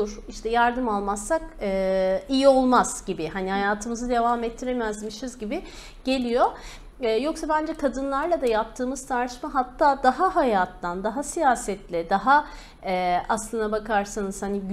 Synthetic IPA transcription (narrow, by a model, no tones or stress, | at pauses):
uɾiʃt̪ʰɛjaɾd̪ɯmalˠmasːakɯːijio̞lˠmaz̥ɟ̥ibɪɦanihajaːt̪ʰɯmɯzɯd̪e̞vaːmɛt̪ʰːiɾemɛzmiʃizɟibɪ | ɟ̥e̞lʲijo̞ | ɯːjo̞ksabænd͡ʒɛkʰad̪ɯnlˠaɾlˠad̪ajap̚t̪ʰɯːmɯz̥t̪ʰaɾʃt͡ʃmaɦat̪ʰːaːd̪aɦaɦajaːt̪ːand̪aɦasijaːsɛt̪lʲɛd̪aɦa | ɛaslˠɯnd̪abakʰaɾsanɯz̥hani